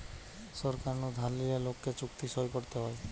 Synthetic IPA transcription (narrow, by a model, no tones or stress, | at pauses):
sɔɾkaɾnud̪ʱaliɾelokːet͡ʃukt̪isɔjpoɾt̪eɦɔe